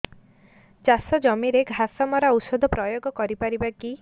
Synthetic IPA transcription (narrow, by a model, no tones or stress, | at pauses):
t͡ʃasɔd͡ʒɔmiɾeɡʱasɔmɔɾausɔd̪ʱɔpɾɔjoɡɔkɔɾipaɾibaki